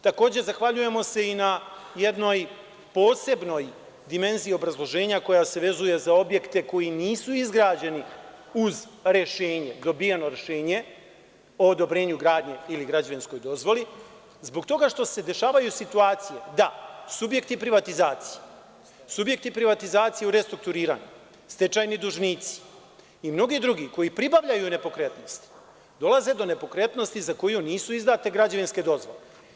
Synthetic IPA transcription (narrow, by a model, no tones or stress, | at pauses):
t̪ako̞ːd͡ʑe̞zaxʋaʎuje̞mo̞se̞inajed̪no̞j | po̞ːse̞bno̞j | d̪ime̞nziːo̞bɾazlˠo̞ʒe̞ːɲako̞jase̞ʋe̞zuje̞zao̞bje̞kt̪e̞ko̞jiniːsuizɡɾaːd͡ʑe̞ni | uz | ɾe̞ʃeːɲe̞d̪o̞bijeno̞ɾe̞ʃe̞ːɲe̞ | o̞ːd̪o̞bɾe̞ːɲuɡɾaːd̪ɲe̞iliɡɾad͡ʑaʋinsko̞jd̪o̞zʋo̞li | zbo̞ɡt̪o̞ɡaʃt̪o̞se̞d̪e̞ʃaːʋajusit̪uaːt̪sijed̪asubje̞kt̪ipɾiʋat̪izaːt̪si̥je | subje̞k̚t̪ipɾiʋat̪izaːt̪sijeuɾe̞st̪ɾuk̚t̪uɾiːɾa̰ːɲu | st̪e̞t͡ʃajnid̪uʒniːt̪si̥ | imno̞ɡid̪ɾuɡiko̞jipɾibavʎajune̞po̞kɾe̞t̪no̞st̪i̥ | d̪o̞laze̞d̪o̞ne̞po̞kɾe̞t̪no̞st̪izako̞juniːsuizd̪at̪e̞ɡɾad͡ʑaʋinske̞d̪o̞zʋole